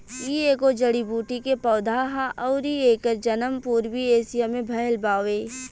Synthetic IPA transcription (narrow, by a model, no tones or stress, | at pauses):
ieːkod͡ʒɐɽibuːʈikepɐːd̪ʱaːɦãʔɔːɾieːkəɾd͡ʒɐnəmpuːɾwieːsijamẽbʱɐjəlbaːʋeː